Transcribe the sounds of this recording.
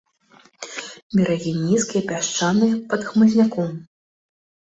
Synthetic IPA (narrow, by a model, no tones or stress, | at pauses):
bʲɛɾɐɣʲinʲːiskʲijɛpʲaʂt͡ʂanɨjɛpɐd̪xmɨzʲnʲakɔm